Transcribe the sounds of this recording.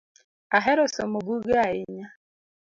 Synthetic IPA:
aɦɛɾɔsɔmobuɡaaɪɲa

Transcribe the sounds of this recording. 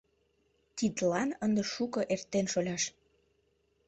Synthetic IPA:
t̪id̪lɑnənd̪eʃukɤ̆ʔert̪ːenʃolʲɑʃ

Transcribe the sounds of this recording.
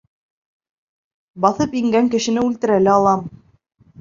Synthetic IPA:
bɑθɤpiŋɡæŋkɘ̆ʃɘ̆nɘʉlt̪ɘ̆ɾælɘɑlˠɑm

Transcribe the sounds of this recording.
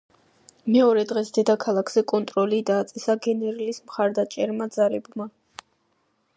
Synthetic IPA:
mɛɔɾɛd̪ʁɛsd̪ɛd̪akʰalˠakʰz̥ɛkʼɔnt̪ʼɾɔlid̪aːt̪sʼɛsaɡɛnɛɾilismχaɾd̪at͡ʃʼɛɾmad̪zaɾɛbma

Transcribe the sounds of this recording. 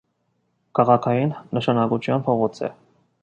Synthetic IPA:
kʰɑʁɑkʰɑjinːəʃɑnɑkut͡ʃʰjɑnpʰɔʁɔt͡sʰɛ̰

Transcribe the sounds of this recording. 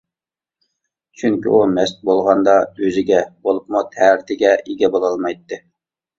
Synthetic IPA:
t͡ʃʰyŋkʲḭumɛst̪̚bolˠʁɑnd̪ɑøzɪɡʲɛbolˠupmut̪ʰɛɾɪt̪ʰɪɡʲɛʔeɡʲɛbolˠɑlˠmɑjt̪ːɨ

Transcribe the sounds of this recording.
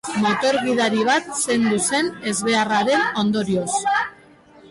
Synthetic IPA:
mo̞t̪o̞ɾɣiðaɾiβ̞at̪se̞nd̪use̞ne̞zβe̞araɾe̞no̞nd̪o̞ɾio̞s

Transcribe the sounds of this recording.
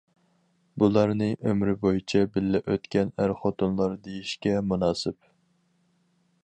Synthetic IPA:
bulˠɑɾnɨʔømɾɪbojit͡ʃʰɛbɪlːɛʔøt̪kʲɛnæɾχot̪ʊnlˠɑɾd̪ejiʃkʲɛmunɑːsɪp

